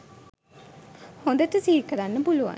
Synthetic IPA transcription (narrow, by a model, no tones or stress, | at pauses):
hõnd̪əʈəsiːlkəɾanːəpuluʋa̰